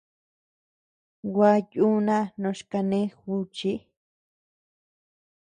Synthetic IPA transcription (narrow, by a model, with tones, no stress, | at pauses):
wʷa˧ju˦nã˦nõ˧˦ʃka˧nẽ˦xu˧t͡ʃi˦